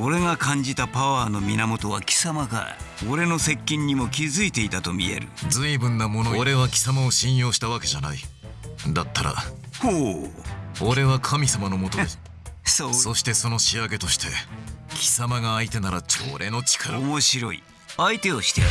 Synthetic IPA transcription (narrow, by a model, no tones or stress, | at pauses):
o̞ɾe̞ŋakãɲd͡ʑit̪apaβaːno̞mʲinamo̞t̪o̞β̞akʲi̥samaɡa̰ɾa̰oɾe̞no̞se̞kʲːĩɲ̟ːimo̞kʲizɨit̪e̞it̪at̪o̞mʲḭe̞̰ɾɯ̟̰d͡zɨibɯ̟̃nːamo̞nooɾe̞βakʲi̥samao̞ɕĩɰ̃jo̞ːɕi̥t̪aβake̞ʑanai | d̪at̪ːaɾa̰ | ho | o̞ɾe̞βakʰamʲisamano̞mo̞t̪o | soso̞ɕi̥t̪e̞so̞no̞ɕiaɡe̞t̪o̞ɕi̥t̪ʰe̞kʲʰi̥samaɡaːit̪e̞naɾat͡ɕo̞̰ːɾʔe̞no̞t͡ɕi̥kʰaɾaomo̞ɕiɾo̞̰ḭ | ait̪e̞o̞ɕi̥t̪e